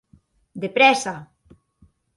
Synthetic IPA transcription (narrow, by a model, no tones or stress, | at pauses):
d̪epɾɛsa